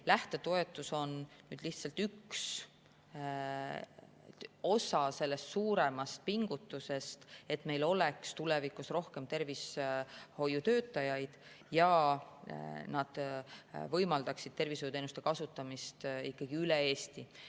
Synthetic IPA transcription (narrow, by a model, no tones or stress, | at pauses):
læht̪e̞t̪o̞e̞t̪ːˑuso̞nnyːd̪̥liht̪sɑlt̪yks | o̞sɑse̞lːe̞st̪suːɾe̞mɑst̪̚piŋɡ̥ut̪ːˑuse̞st̪e̞t̪ːˑme̞jlo̞lekst̪ule̞vikusro̞hke̞mt̪e̞rvisho̞jːut̪øːt̪ːˑɑjɑjd̪̥ | jɑ | nɑd̪̥ | vɤjmɑld̪̥ɑksid̪̥̚t̪e̞rvishojut̪ejnust̪e̞kɑsut̪ːˑɑmist̪ikːɑɡ̥iyleeːst̪i